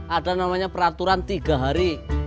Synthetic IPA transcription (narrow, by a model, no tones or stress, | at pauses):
ʔaɖanamaɲapəɾat̪uɾant̪iɡaɦaɾi